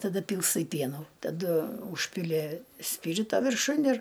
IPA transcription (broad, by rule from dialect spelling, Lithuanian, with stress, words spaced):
tɐˈdɐ ˈpʲiːlˠstɐɪ ˈpʲiɛnuː tɐˈdʊ ˈuːʃʲpʲɪlʲɪ ˈsʲpʲiːrʲɪtoː ʋʲɪrˈʃʊn ɪr